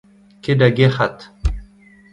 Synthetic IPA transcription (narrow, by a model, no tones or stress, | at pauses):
ked̪aɡexat̪